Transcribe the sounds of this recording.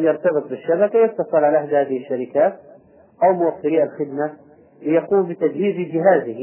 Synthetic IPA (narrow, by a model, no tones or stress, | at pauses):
jɑɾt̪ɑbɨt̪ˤbɪʃːabakajɪt̪ːɑsˤɨlʕalaʔaħd̪haːðɪhɪʃːaɾɪkaːt̪̚ | ʔawmʊʔafːɪɾiʔalxɪd̪ma | lɪjaquːmbɪt̪ad͡ʒhiːzid͡ʒɪɦaːzɪh